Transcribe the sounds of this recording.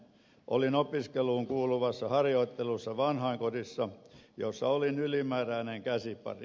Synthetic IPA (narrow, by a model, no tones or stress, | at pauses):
ʔo̰linopiskeluːŋkuːluʋɑsːɑhɑrjoit̪ːelusːɑʋɑnhɑiŋkodisːɑjosːɑ̰olinylimæːræːneŋkæsipɑ̰rḭ